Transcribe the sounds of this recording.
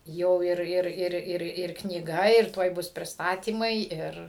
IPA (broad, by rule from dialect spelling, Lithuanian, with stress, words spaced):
ˈjɛʊ ˈɪr ˈɪr ˈɪr ˈɪr ɪr knʲiːˈɡɐ ɪr ˈtuɔj ˈbʊs pʲrʲɪsˈtɑːtʲiːmɐɪ ˈɪr